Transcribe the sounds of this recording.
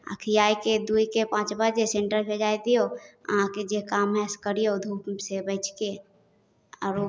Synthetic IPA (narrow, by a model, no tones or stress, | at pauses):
ə̰kʰijaːiked̪uikepãːt͡ʃbaɾd͡ʒesẽɳʈəɾbʰʱed͡ʒaːid̪ijoə̰ɦãked͡ʒekaːmɦɛ̃skəɾijod̪ʱuːpsebəɪt͡ʃke | ɔ̰ːɾo